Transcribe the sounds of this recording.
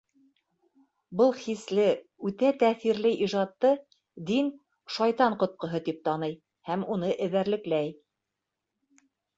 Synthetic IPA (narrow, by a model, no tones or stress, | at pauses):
bɤlˠχislɘ | ʉt̪æt̪æθiɾlɘʔiʒɑt̪ːɤ | d̪in | ʃɑjt̪ɑɴqŏt̪̚qɤ̆ɦɤt̪ip̚t̪ɑnɤj | hæmunɤʔɘ̆βæɾlɘ̆klæj